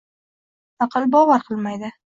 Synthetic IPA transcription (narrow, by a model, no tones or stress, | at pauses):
ɑqʰɑlˠbɒvaɾqʰɨlˠmajd̪ɪ